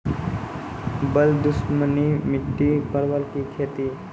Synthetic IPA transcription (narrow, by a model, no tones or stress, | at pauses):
bəld̪usmənimiʈːiːpəɾʋəlkiːkʰet̪iː